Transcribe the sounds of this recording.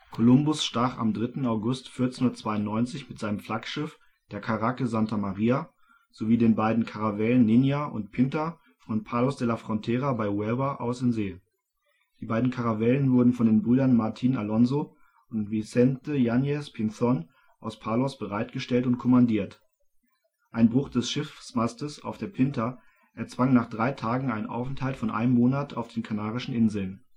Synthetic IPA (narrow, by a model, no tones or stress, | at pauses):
kʰolʊmbʊsʃtaːχa̰mdʁɪtn̩aʊɡʊstfɪɐtt͡senhʊndɐtt͡sv̥aɪʊnnɔʏnt͡sɪçmɪtz̥aɪnəmfl̥akʃɪf | d̥eːɐkʰaʁakəzantʰamaʁiːa | z̥oviːdeːnbaɪdn̩kʰaʁavɛːlənːɪnjaʔʊ̰ntpʰɪntɐ | fɔnpʰaːlɔsd̥ɛlafʁ̥ɔntʰɛːʁabaɪwɛlvɐʔa̰ʊsɪnzeː | d̥iːbaɪdn̩kʰaʁavɛːlənvʊɐdn̩fɔndeːnbʁyːdɐnmaɐtʰiːnalɔnzo | ʊntvisɛntəjanjɛspʰɪnθɔn | ʔaʊspʰaːlɔsb̥əʁaɪt̚ɡ̥əʃtɛltʊntkʰɔmandiːɐt | ʔaɪnbʁʊχd̥ɛsʃɪfsmastəsa̰ʊfd̥eːɐpʰɪntʰɐ | ʔɛɐt͡sv̥aŋnaːχd̥ʁaɪtʰaːɡŋ̩aɪnənʔa̰ʊfn̩thaltfɔnʔa̰ɪnəmːoːnatʰa̰ʊfd̥eːnkʰanaːʁɪʃn̩ʔɪnzl̩n